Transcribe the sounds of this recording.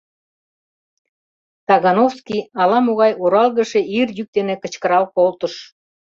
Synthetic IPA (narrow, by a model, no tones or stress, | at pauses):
t̪ɑɣɑnofskiɑlɑmoɣɑjʔuɾɑlˠɣə̆ʃeirjyk̚d̪enekə̆t͡ɕkəɾɑlkolt̪ə̆ʃ